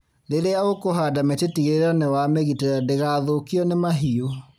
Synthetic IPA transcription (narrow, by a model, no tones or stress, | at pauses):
ɾeɾeaɣokoɦaːdametetiɣeɾɔnewameɣiteɾɛdeɣaðokiɔnemaɦio